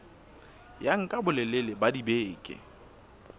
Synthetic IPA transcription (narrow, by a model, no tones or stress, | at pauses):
jaŋ̩kʼabʊlɛlɪlɪbadibeːkʼɪ̰